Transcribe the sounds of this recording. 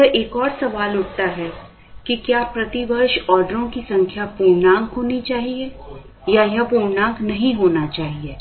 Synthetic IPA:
ɛʔeːkɔːɾsɐʋaːlʊʈ̚ʰt̪aɦɛ | kikjaːpɾɐt̪iʋɐɾʃɔːɾɖəɾõkisɐ̃ŋkʰjapuːɾnãːŋkɦoːnit͡ʃaːɦie | jajãpuːɾnãːŋknɐɦĩɦoːnat͡ʃaːɦieː

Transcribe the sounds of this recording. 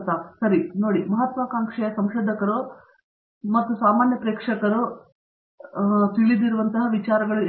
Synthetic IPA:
t̪ɐsɐɾinoːɽimɐɦɐt̪ʋɐkaːŋkʂɛjɐsɐmʃɐd̪ʱɐkɐɾu | mɐt̪ːusaːmaːnjɐpɾeːkʂɐkɐɾu | t̪iɭid̪iɾuʋɐnt̪ɐɦɐʋit͡ʃaːɾɐɡɐɭu

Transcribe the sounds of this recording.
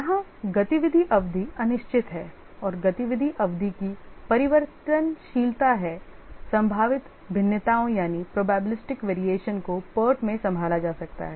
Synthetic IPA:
jɐɦãɡɐt̪iʋɪd̪ʱiʔɐʋd̪ʱiɐnɪʃt͡ʃɪt̪ɦɛː | ɔːɾɡɐt̪iʋɪd̪ʱiʔɐʋd̪ʱikipɐɾɪʋəɾt̪ənʃiːlt̪aɦɛsɐ̃mbʱaːʋɪt̪ | bʱɪnːjət̪aːõjaːnipɾoːbɛːbɪlɪsʈɪkʋeːɾieːʃənkopəːʈmẽsɐ̃mbʱaːlad͡ʒaːsɐk̚t̪a̰ɦɛː

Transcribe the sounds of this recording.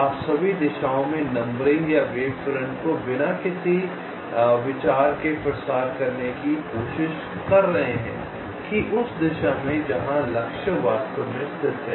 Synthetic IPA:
aːsɐbʱid̪ɪʃaːõmẽnɐ̃mbɾɪ̃ŋɡjaʋeːfɾɛ̃ɳʈkobɪnakɪsi | ʋɪt͡ʃaːɾkepɾəsaːɾkɐɾnekikoːʃɪʃ | kɐɾːɐɦeɦɛ̰̃ː | kiʔʊsd̪ɪʃamẽd͡ʒɐɦãlɐkʃəʋaːst̪õmɪ̃st̪ʰɪt̪ɦɛ̃

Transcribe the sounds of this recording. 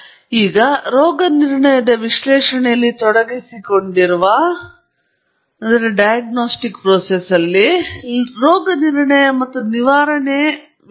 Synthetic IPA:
iːɡɐɾoːɡɐniɾɳɐjɐd̪ɐʋiʂlɛːʂɐɳɛjɐlːit̪ɔɽɐɡisiko̞ɳɖiɾuʋa | ɐnd̪ɐɾeɖɐjɐɡnoːsʈikpɾoːsesɐlːi | ɾoːɡɐniɾɳɐjɐmɐt̪ːuniʋaːɾɐɳe

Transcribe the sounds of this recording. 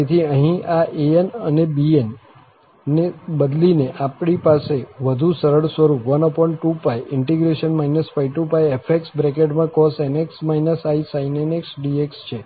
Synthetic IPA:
et̪ʰiəɦĩaʔeenənebienː | ebəd̪lineʔapɽipaseʋəd̪ʱũsəɾəɭsʋəɾupʋənɔpɔɳʈʈupajʔɪɳʈeɡɾeʃənmainəsfaiʈũpajefʰeksbɾekeʈmãkɔseneksmainəsaisaineneksɖiekst͡ʃʰe

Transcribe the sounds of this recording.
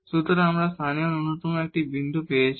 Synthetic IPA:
suːt̪ɐɾaːmɾast̪ʰaːnijɐnunːut̪umak̚ʈibind̪upeːt͡ʃ

